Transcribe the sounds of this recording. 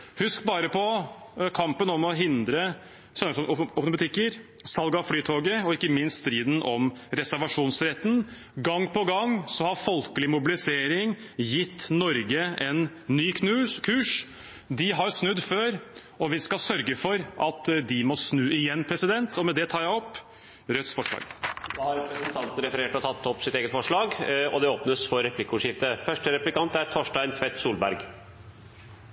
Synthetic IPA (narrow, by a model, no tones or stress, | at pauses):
hʉskbɑːɾəpʰɔkʰɑmpənɔmɔɦɪnd̪ɾə | sœnəɾsɔɔpnbɑt̪ʰɪkːəɾ | sɑlɡɑflyːt̪ʰoːɡəɔɪkːəmɪnst̪st̪ɾiːd̪n̩ʔɔmɾɛsæɾʋɑʂuːnsɾɛt̪n̩ | ɡɑŋːpʰɔɡɑŋːsɔhɑɾfɔlkəlɪmʊbɪlɪseːɾɪŋjɪt̪ːnɔɾɡəɛnː | yːk̪ʉkʰʉːʂ | d̪ɪɦɑɾsnʉd̪ːføːɾ | ɔʋɪskɑsœɾɡəfɔɾʔɑt̪d̪ɪmɔsnʉːɪjɛnːpʰɾɛsɪd̪ɛnt̪ɔmɛd̪ɛt̪ʰɑːɾjæɪɔpː | ɾœt̪sfɔʂlɑ̰ːɡd̪ɑhɑɾɛpɾɛsənt̪ʰɑnt̪n̩əɾɛfəɾeːʈɔt̪ʰɑt̪ʰːɔpːsɪt̪eːɡət̪fɔʂɭɑːɡɔd̪ɛoːpnəsfɔɾɛpʰlɪkːəʊːʂɪft̪əfœʂʈəɾɛplɪkɑnt̪æɾʈʰɔʂʈæɪnt̪ʰʋɛt̪ːsuːlbæ̰ɾɡ